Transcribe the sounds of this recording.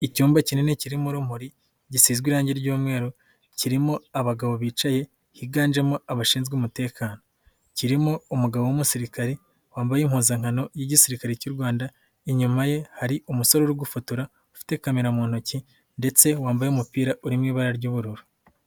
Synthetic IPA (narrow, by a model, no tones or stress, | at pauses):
icuːmbacineneciɾimuɾum̥uɾi | ɟisiːzɡwiɾaːɲɟeɾɟuːmŋe̞ːɾo | ciɾimoaβaɡaβo̞βiːt͡ʃaje̞ | hiɡaːnd͡ʒemoaβaʃiːnzɡumute̞ːkʰaːno | ciɾimo̞umuɡaβowumusiɾikaɾe | waːmbajemhuːnzaŋ̥hano̞jiɟisiɾikaɾecuɾɡwaːnda | eɲumaje̞haɾiumuso̞ɾoɾuɡufutuɾa | ufi̥te̞kamiɾamuːn̥uci | nde̞t͡se̞waːmbajemupiːɾaʔuɾimŋiːβaɾaɾɟuːβuɾuɾu